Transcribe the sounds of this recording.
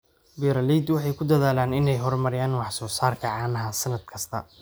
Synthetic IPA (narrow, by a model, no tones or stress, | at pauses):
bɛːɾɐliːd̪wɑħɑjkʰʊd̪ɐðaːlaːnɪnɛjɦɔrmɐɾɪjaːnwɑħsɔːsaːrkʰɐʕɑːnɐɦɐsɐnɐd̪̥kʰɐst̪ʰɐ̰